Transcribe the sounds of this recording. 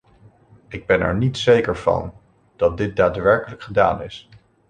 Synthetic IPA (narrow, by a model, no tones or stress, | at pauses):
ʔɪɡ̚bɛnɛ̰ɹnitsejkəɹv̥ɑ̰n | d̥ɑt̚dɪt̚daːtʋɛɹkələkχəda̰ːnɪ̰s